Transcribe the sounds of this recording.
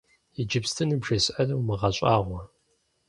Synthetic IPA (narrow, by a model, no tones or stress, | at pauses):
id͡ʒɨpstʰɨnɨbʒɐsʔɐrɐwmɨʁɐɕʷʼaːʁʷɔ